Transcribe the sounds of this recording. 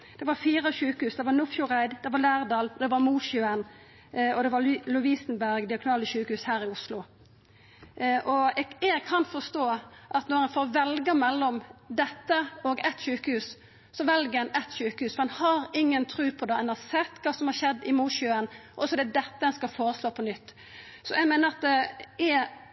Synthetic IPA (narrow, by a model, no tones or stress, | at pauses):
d̪̥ɛʋɑɾfiːɾəɕʉːkəhʉːsd̪ɛʋɑɾnʊfjʊɾæɪd̪d̪ɛʋɑlæːʁd̪ɑːld̪ɛʋɑɾmuːʃjʉən | ɔd̪ɛʋɑlʊʋiːsnbæɾɡd̪ɪɑɡʊnɑːləɕʉːkəhʉːshæːɾɪʊslʊ | ʔɔɛɛɡkʰɑnfɔst̪oːʔɑt̪nɔɾɛnfoːɾʋɛlɡəmɛlːɔmd̪ɛt̪ːəɔɡɛt̪ʃʉːkəhʉːs | sɔʋɛlɡəɾɛnɛt̪ʃʉːkəhʉːsfɔɾɛnhɑɾɪŋːənt̪ʰɾʉːpʰɔd̪ɑɛnɑsɛt̪ːkʰɑːsɔmhɑɾʃɛd̪ːɪmuːʃjʉənʔɔsɔd̪ɛd̪ɛt̪ːəɛnskɑfoːɾəsloːpʰɔnʏt̪ː | sɔɛɡmeːnəɾɑt̪̚d̪ɛɛ